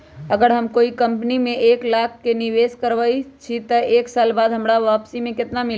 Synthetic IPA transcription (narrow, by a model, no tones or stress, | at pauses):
əɡəɾɦəmkoːikɐ̃mpnimẽeːklaːkʰːenɪʋeːskəɾʋəit͡ʃʰit̪əeːksaːlbaːd̪ɦəmɾaʋaːpsimẽkɪt̪namɪl